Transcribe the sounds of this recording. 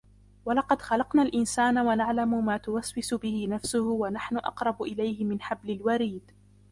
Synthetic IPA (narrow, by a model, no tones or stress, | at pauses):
walɑqɑd̪xɑlɑqnaːlʔɪnsaːnawanaʕlamʊmaːt̪ʊwaswɪsʊbɪhɪnafsʊhʊwanaħnʊʔɑ̰qɾˤɑbʊʔɪlajhɪmɪnħablɪlwaɾiːd̪